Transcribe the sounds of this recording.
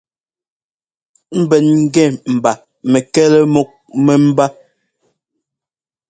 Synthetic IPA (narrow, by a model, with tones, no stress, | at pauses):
m̩˦bɛ˨nŋ̩˦ɡɛ˦˨m̩˨ba˨ | mɛ˨kɛ˦lɛ˦mo˦k̚mɛ˨m̩˦ba˦